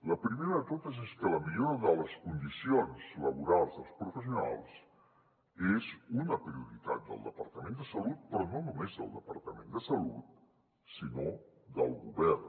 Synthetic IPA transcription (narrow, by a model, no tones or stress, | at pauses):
ləpɾimeɾəðət̪ot̪əzeskələmiʎoɾəðələskund̪isionzləβuɾalˠzðəlˠspɾufəsiuna̰lˠs | ezunəpɾiuɾit̪a̰t̪̚d̪ə̰lˠd̪əpəɾt̪əmend̪əsəlut̪̚pɾɔnonumezðə̰lˠd̪əpəɾt̪əmẽnd̪əsəlṵt̪̚ | sinod̪ə̰lˠɣuβɛrn